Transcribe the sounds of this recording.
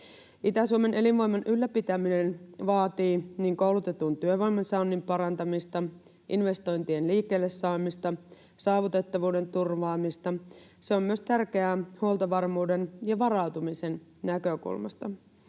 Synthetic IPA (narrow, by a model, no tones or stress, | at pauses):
ʔit̪æsuome̞nʔe̞linʋo̞jmɑnʔylːæpit̪æmine̞nʋɑːt̪iːniːŋkowlut̪e̞t̪unt̪yøʋo̞jmɑnsɑunːimpɑɾɑnt̪ɑmist̪ɑ | ʔinʋe̞st̪o̞jnt̪ienliːkːe̞ːlːesːɑːmist̪ɑ | sɑːʋut̪e̞t̪ːɑʋuːde̞nt̪urʋɑːmist̪ɑ | se̞o̞mːyøst̪ærk̟e̞æhuolt̪ɑʋɑrmuːde̞njɑʋɑrɑwt̪umise̞nnækø̞kṵlmɑ̰st̪ɑ